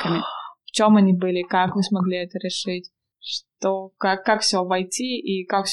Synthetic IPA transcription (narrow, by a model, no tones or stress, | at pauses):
kəmʲɪft͡ɕomɐnʲibɨlʲɪkakmɨsmɐɡlʲiɛt̪əɾʲɪʂɨtʲ | ʂt̪okakːakfsʲovɐjtʲiikakfsʲ